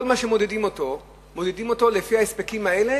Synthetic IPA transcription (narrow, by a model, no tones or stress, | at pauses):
olmaʃemo̞d̪edimoto | mo̞d̪edimo̞to̞lefihaespekimhaele̞